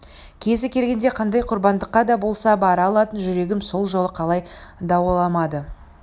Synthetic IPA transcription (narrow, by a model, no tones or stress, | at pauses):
kʲʰe̞zɪkʲʰe̞lɡʲe̞nd̪eqʰɑnd̪ɑjqʰʊɾbɑnd̪əqːɑd̪ɑbo̞lˠsɑbɑɾɑlˠɑt̪ənʒʏɾe̞ɡʲɪmso̞lˠʒo̞lˠəqʰɑlˠɑjd̪ɑwəlˠɑmɑd̪ə